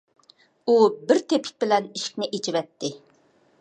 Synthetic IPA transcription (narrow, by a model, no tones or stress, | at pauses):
ubɪɾt̪ʰepʰɪ̥k̚ʲbɪlɛniʃɪ̥k̚ʲnɪʔet͡ʃivɛt̪ʰːɪ